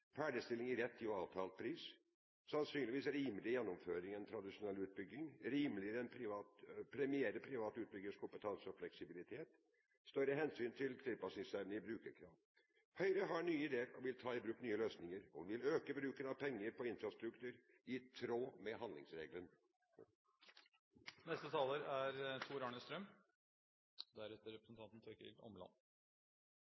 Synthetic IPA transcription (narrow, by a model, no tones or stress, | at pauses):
fæːɖəst̪ɪlɪŋɪɾɛt̪ʰːɪɔɑːʋt̪ʰɑːlt̪̚pʰɾiːs | sɑnsyːnlɪʋiːsɾiːməlɪjɛnːɔmføːɾɪŋɛnt̪ʰɾɑd̪ɪʂʊnɛlːʉːt̪̚bʏɡɪŋɾiːməlɪəɾəɛnpʰɾɪʋɑːt̪pʰɾɛmɪeːɾəpʰɾɪʋɑːt̪ʉːt̪̚bʏɡːəskʰʊmpət̪ʰɑnsəɔflɛksɪbɪlɪt̪ʰeːt̪ | st̪œɾəɦɛnsyːnt̪ʰɪlt̪ʰɪlpɑsɪŋsɛɾnəɪbɾʉːkəɾkʰɾɑːʋ | hœʏɾəɦɑɳyːəɪd̪eːəɾɔʋɪlt̪ʰɑːɪbɾʉːknyːəløːsnɪŋəɾʊ̰ʋɪløːkəbɾʉːkənɑʋpʰɛŋːəɾpʰɔɪnfɾɑst̪ɾʉkt̪ʰʉːɾ | ɪt̪ʰɾoːmɛɦɑnd̪lɪ̰ŋsɾḛːɡlən | nɛst̪ət̪ʰɑːləɾæɾt̪ʰuːɾɑɳəst̪ɾœm | d̪æɾɛt̪ːəɾɛpɾəsn̩t̪ɑnt̪n̩t̪ʰøkɪlɔ̰mlɑ̰n